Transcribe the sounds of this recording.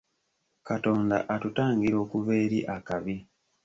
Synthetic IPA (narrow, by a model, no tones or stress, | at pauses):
kato̞ːnda̰ʔatutaːŋɡiɾo̞ːkuβe̞ːɾḭʔakaβi